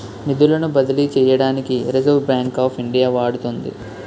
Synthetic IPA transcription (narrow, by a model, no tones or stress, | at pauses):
nid̪ulɐnubɐd̪ɐlit͡ʃɛːjɐɽaːnikiɾezɐʋbjaːŋkaːpʰiɳɖijaːʋaːɽut̪ond̪ḭ